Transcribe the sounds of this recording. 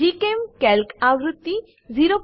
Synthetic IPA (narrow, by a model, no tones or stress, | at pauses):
ikemkɛlkawɾut̪ːi | ziɾop